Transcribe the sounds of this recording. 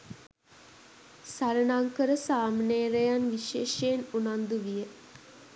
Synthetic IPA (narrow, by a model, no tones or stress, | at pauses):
saɾənaŋkəɾəsaːmneːɾejanʋiʃeːʃenunand̪uʋijə